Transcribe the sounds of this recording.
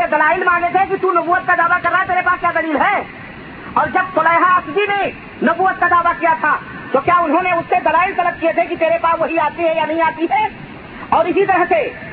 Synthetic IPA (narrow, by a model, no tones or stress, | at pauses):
ed̪ɐlaːɪlmaːɡet̪ʰekit̪unɐbuːət̪̚kad̪aːʋakɐɾːaːɦɛt̪eːɾepaːskjad̪ɐliːlɦɛ | ɔːɾd͡ʒɐb̚t̪oləjɦaasd̪ine | nɐbuːət̪̚kad̪aːʋakijat̪ʰa | t̪oːkjaʊnɦõneʊsːed̪ɐlaːɪlt̪ɐləb̚kijet̪ʰekit̪eːɾepaːsʋɐɦiaːt̪iɦɛjanɐɦĩaːt̪iɦɛː | ɔːɾɪsit̪əɾəɦse